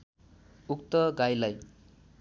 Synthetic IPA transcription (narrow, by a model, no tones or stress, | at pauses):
uk̚t̪ʌɡajlaj